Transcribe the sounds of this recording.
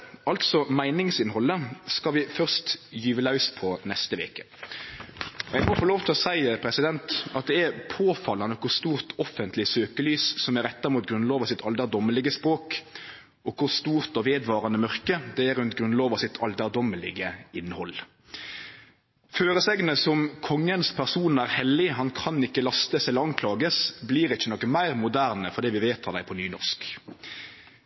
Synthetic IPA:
ɑlt̪sɔmæɪnɪŋsɪnhɔlːəskɑʋɪfœʁst̪jyːʋəlɑʉspʰɔnɛst̪əʋḛːkə̥ | ɔjæɪmɔfoːloːʋt̪ʰɪlɔsæɪpʰɾɛsɪd̪ɛnt̪ɑt̪̚d̪ɛæʁpʰoːfɑlːɑnəkʰʊʁst̪uːʁt̪ʰɔfənt̪lɪsøːkəlyːssɔmæɾɛt̪ːɑʁmuːt̪̚ɡɾʉnloːʋɑsɪt̪ʰɑld̪æʁd̪ɔməlɪɡəspʁoːk | ɔkʰʊɾst̪uːʁt̪ɔʋeːd̪ʋɑːʁɑnəmœʁkəd̪ɛæɾʉnt̪ɡʁʉnloːʋɑsɪt̪ʰɑld̪æʁd̪ɔməlɪɡəɪnːəhɔl | føːʁəsɛɡnəsɔmkʰɔŋːənspʰæʁsuːnæːʁhɛlːɪɦɑnkʰɑnɪkːəlɑst̪əsɛləɾɑnkʰlɑːɡəsbliːʁɪçːənɔkəmæɪʁmʊd̪æːʁnəfɔɾd̪iːʋɪʋeːt̪ʰɑd̪æɪpʰɔnyːnɔʁsk

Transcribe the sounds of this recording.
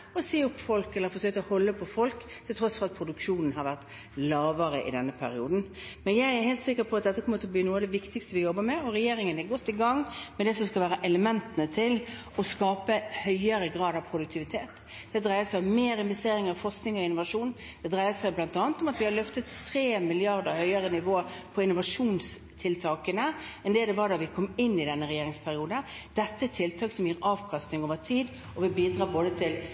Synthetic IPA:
ɔseːɔpːfɔlkɛlːəɾfɔsøːk̚t̪ɔhɔlːəpʰɔfɔlkt̪ʰːɪlt̪ʰɾɔsfɔʁɑt̪̚pʰɾʊd̪ʉkʂuːnən̩ɦɑɾʋæʁt̪ | lɑːʋəɾəʔɪ̰d̪ɛnːəpʰæ̰ɾɪṵːd̪n̩mɛnjæɪæɾheɪlt̪sɪkːəɾpʰɔɑt̪d̪ɛt̪ːəkʰɔmət̪ʰɔbliːnuːɑd̪ɛʋɪkt̪ɪkst̪əʋɪjɔbːəɾmɛɔɾɛjeːɾɪŋənɛɾɡɔt̪ːɪɡɑŋːmɛd̪ɛsɔskɑlʋæːɾəʔɛləmɛnt̪ənət̪ʰɪl | ɔskɑːpəhœʏəɾəɡɾɑːd̪ɑʋpʰɾʊd̪ʉkt̪ʰɪʋɪt̪ʰeːt̪ | d̪̥ɛd̪ʁæɪəsæɪɔmmeːɾɪnʋɛst̪eːɾɪŋəɾfɔʁsknɪŋɔɪnːʊʋɑʂuːn | d̪̥ɛd̪ɾæɪəsæɪblɑnt̪ɑːnət̪ɔmɑt̪ʋɪhɑlœft̪ət̪ːɾeːmɪlɪɑʁd̪əɾhœʏəɾənɪʋoːəɾpʰɔɪnʊʋɑʂuːns | t̪ʰɪlt̪ʰɑːkənəɛnd̪ɛd̪ɛʋɑd̪ɑʋɪkʰɔmːɪnːɪd̪ɛnːəɾɛjeːɾɪŋspʰæɾɪuːd̪ə | d̪̥ɛt̪ːəɛt̪ʰːɪlt̪ʰɑːksɔmjeːɾɑːʋkʰɑst̪nɪŋoːʋət̪ʰiːd̪ | ɔʋɪbiːd̪ɾɑːboːd̪ət̪ʰɪl

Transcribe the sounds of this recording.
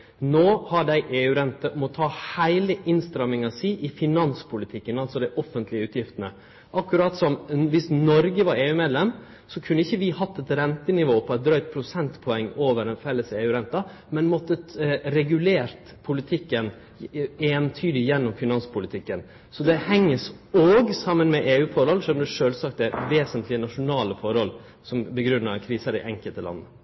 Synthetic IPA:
noːhɑɖæɪʔeːʉːɾɛnt̪əmɔt̪ʰɑːhæɪləʔɪnst̪ɾɑmɪŋɑsiːʔɪfɪnɑnspʰʊlɪt̪ʰɪkːənɑlsɔd̪æɪʔɔfənt̪lɪəʉːt̪jɪft̪ənə | ʔɑkːʉɾɑːt̪sɔmʋɪsnɔɾɡəʋɑɾeːʉːmeːd̪lɛm | sɔkʰʉnːəɪçːəʋɪhɑt̪ːɛt̪ɾɛnt̪ənɪʋoːpʰɔɛt̪̚d̪ɾœʏt̪̚pʰɾʊsɛnt̪pʰɔɛŋːoːʋəɾɛnfɛlːəseːʉːɾɛnt̪ɑ | mɛnmɔt̪ːəɾɛɡʉleːɾt̪ | pʰʊlɪt̪ʰɪkːən | eːnt̪ʰyːd̪ɪjɛnːɔmfɪnɑnspʰʊlɪt̪ʰɪkːən | sɔd̪ɛhɛŋːəsoːɡsɑmːənmɛʔeːʉːfɔɾhɔlʂøːmd̪ɛʂøːlsɑkt̪ɛʋeːsənt̪lɪənɑʂʊnɑːləfɔɾɔl | sɔmbəɡɾʉnːɑ̰ɾkʰɾiːsəɾd̪ɛ̰ʔɛŋkəlt̪əlɑ̰nːə

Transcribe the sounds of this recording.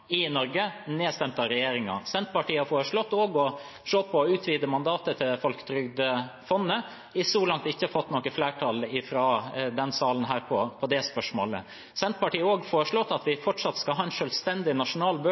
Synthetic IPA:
ɪnɔɾɡəneːst̪ɛmt̪ɑɾɛjeːɾɪŋɑ̰sɛnt̪̚pɑʈiːɑfoːɾəʂɭɔt̪ːoːɡɔ | ʂoːpʰɔʉːt̪ʰʋiːd̪əmɑnd̪ɑːt̪ət̪ʰɪlfɔlkə̥t̪ʰɾʏɡd̪əfɔnːə | ɪsɔlɑŋt̪ɪçːəɑfɔt̪ːnɔːkəfleːʈʰɑlɪfɾɑːd̪ɛnsɑːlən̩ɦæːɾpʰɔpʰɔd̪ɛspœʂmo̰ːlə̰ | sɛnt̪pɑʈiːəoːɡfoːɾəʂɭɔt̪ːɑt̪ʋɪfɔʈʂɑt̪skɑlɦɑːɛnʂœːlst̪ɛnd̪ɪnɑʂʊnɑːlbø

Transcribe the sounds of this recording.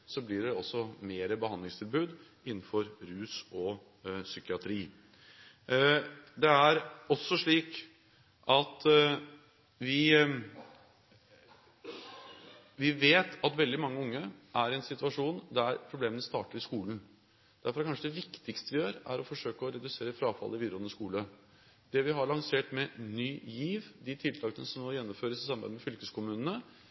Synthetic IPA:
sɔblɪɖɛɔsːɔmeːɾəbəhɑnd̪lɪŋst̪ʰɪlbʉːd̪ | ɪnːn̩fɔɾɾʉːsɔ | sʏkɪɑt̪ʰɾiː | d̪ɛæɾɔsːɔʂɭiːk | ʔɑt̪ | ʋɪ | ʋɪʋeːt̪ɑt̪ʋɛld̪ɪmɑŋːəʊŋːəʔæɾɛnsɪt̪ʉɑʂuːnd̪æɾpʰɾʊbleːmənəst̪ɑ̰ːʈəɾɪskuːln̩ | d̪̥æɾfɔɾkʰɑnʂəd̪ɛʋɪkt̪ɪkst̪əʋɪjøːɾæ̰ɾɔfɔʂøːkəɔɾɛd̪ʉseːɾəfɾɑːfɑ̰lːɪʋiːd̪əɾɔnːəskuːlə | d̪̥ɛʋɪɦɑɭɑŋseːʈmɛnyːjiːʋd̪ɪt̪ʰɪlt̪ʰɑːkənəsɔmnɔjɛnːɔmføːɾəsɪsɑmːbæ̰ɪd̪əmɛfʏlkəskʊmʉːnənə

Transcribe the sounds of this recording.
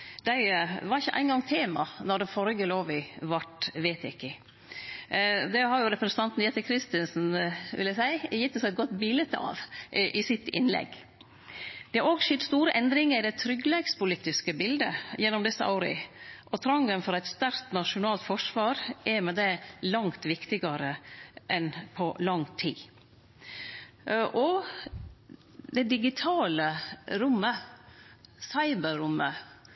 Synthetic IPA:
d̪̥æɪʋɑɾɪçːəʔæ̰ɪnɡɑŋt̪ʰeːmɑ̰nɔd̪ɛfɔɾɡəloːʋɪʋɑʈʋet̪ɪkːə | d̪ɛhɑɾjʊɾɛpɾəsən̩t̪ʰɑnt̪n̩jɛt̪əkʰɾɪst̪ɪnsn̩ʋʔɪljæsæɪjɪt̪ːəsɪɛt̪̚ɡɔt̪bɪlɛt̪ːəɑ̰ːʋʔɪsɪt̪ɪ̰nlɛ̰ɡ | d̪̥ɛæɾoːɡʃɪt̪st̪uːɾəʔɛnd̪ɾɪŋəɾɪd̪ɛɪt̪ʰɾʏɡlɛɡspʊliːt̪ɪskəbɪld̪əjɛnːɔmd̪ɛsəʔɑ̰ʊɾɪ̰ʔɔt̪ʰɾɑŋːənfɔɾæɪt̪st̪æɾkt̪nɑʂʊnɑːlt̪fɔʂʋɑːɾʔɛɾmɛd̪ɛlɑŋt̪ʋɪkt̪ɪɡɑɾəʔɛnpʰɔlɑŋt̪ʰḭː | ʔɔ | d̪ɛd̪ɪɡɪt̪ʰɑːləɾʊmːə | sɑɪbəɾʊmːə

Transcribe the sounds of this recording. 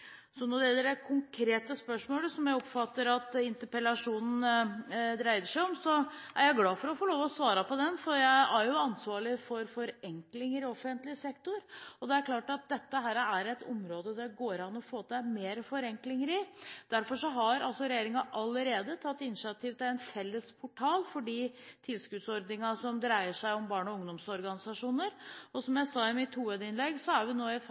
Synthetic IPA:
sɔnɔɖɛɛd̪ɛækʰʊŋkʰɾeːt̪əspœʂmoːləsɔmjæɪɔpfɑt̪ːəɾɑt̪ɪnt̪əɾpəlɑʂuːnn̩ | d̪ɾæɪd̪əʂæɪɔmsɔʔæɾjæɪɡlɑːfɔɾɔfoːloːʋɔɔsʋɑːɾɑpʰɔd̪ɛnfɔɾjæɪæɾjʊɑnsʋɑːɭɪfɔɾfɔɾɛŋklɪŋəɾɪɔfənt̪lɪsɛkt̪ʊɾɔd̪ɛæɾkʰlɑːʈɑt̪̚d̪ɛt̪ːəɦæːɾæɾɛt̪ʰɔ̰mɾoːd̪əd̪æɡoːɾɑnɔfoːt̪æmeːɾfɔɾɛŋklɪŋəɾɪd̪̥æɾfɔʂɔɦɑɾɑlsɔɾɛjeːɾɪŋɑʔɑlːəɾeːd̪ət̪ʰɑt̪ːɪnɪɪɑt̪ʰiːʋt̪æænfɛlːəspʰʊʈʰɑːlfɔɖiːt̪ʰɪlskʉd̪sɔɾd̪nɪŋɑsɔmd̪ɾæɪəʂæɪɔmbɑːɳɔʊŋd̪ɔmsɔɾɡɑnɪsɑʂuːnəɾɔsɔmjæɪsɑːɪmɪt̪huːəːd̪ɪnlɛɡsɔæɾʋɪnoːɪ

